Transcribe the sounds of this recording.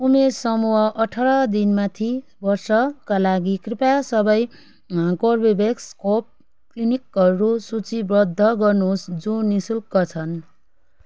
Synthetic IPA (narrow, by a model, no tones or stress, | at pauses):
umersʌmuɦʌʔʌʈʰʌɾʌd̪inmat̪ʰi | bʌrsʌkalaɡikripasʌbʌj | korbibekskop̚ | klinikʌɾusut͡sibrʌd̪ʱːʌɡʌrnusd͡zũnisulkʌt͡sʰʌn